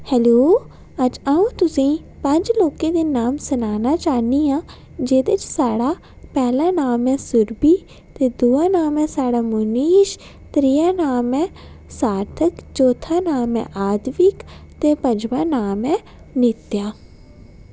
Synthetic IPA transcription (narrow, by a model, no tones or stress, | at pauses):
hɛːloː | əd͡ʒaːũːt̪ʊsĩː | pə̃ɲd͡ʒloːkẽːd̪eːnaːmsənaːnaːt͡ʃaːniːãː | d͡ʒeːd̪et͡ʃsaːɽaː | pɛːlãːnaːmɛ̃ːsʊɾbiː | t̪eːd̪uːaːnaːmɛ̃ːsaːɽaːmʊniːʃ | t̪ɾiːaːnaːmɛ̃ː | saːɾt̪ʰəkt͡ʃoːt̪ʰaːnaːmɛ̰̃ːʔaːd̪ʋɪkt̪eːpəd͡ʒʋãːnaːmɛ̃ː | nɪt̪jaː